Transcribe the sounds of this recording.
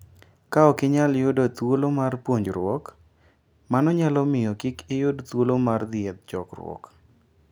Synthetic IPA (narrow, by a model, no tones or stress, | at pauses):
kaɔkɪɲaljʊdot̪wolomarpwoɲd͡ʒɾwɔk | manɔɲalɔmɪjɔkɪkɪjʊdt̪wolomard̪ɪɛd̪̚d͡ʒɔ̰krwɔ̰k